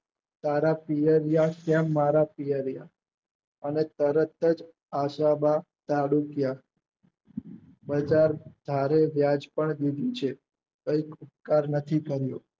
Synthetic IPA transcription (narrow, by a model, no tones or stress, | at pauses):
t̪aɾapijəɾjakjãmaɾapijəɾja | ənet̪əɾət̪əd͡ʒ | aʃamã | t̪aɽukja | bəd͡ʒaɾd̪ʱaɾeʋjad͡ʒpəɳd̪id̪ʱit͡ʃʰe | kəikʊp̚kaɾnət̪ʰikəɾjo